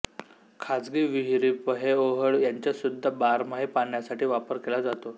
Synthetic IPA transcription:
kʰad͡zɡiːʋiɦɾipəɦeoɦəɭjaɲt͡ɕjasud̪ʱːəbaɾmaɦepaɳjasaʈʰiːʋapəɾkelad͡zat̪o

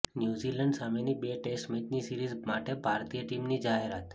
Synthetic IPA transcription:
njuziləɳɖsamenibeʈesʈmetnisiɾizmaʈebʱaɾt̪ijəʈimnid͡ʒaɦeɾat̪

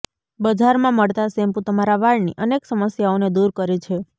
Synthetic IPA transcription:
bəd͡ʒʱaɾmãməɭt̪asempũt̪əmaɾaʋaɭnḭʔəneksəməsjaoned̪uɾkəɾet͡ʃʰe

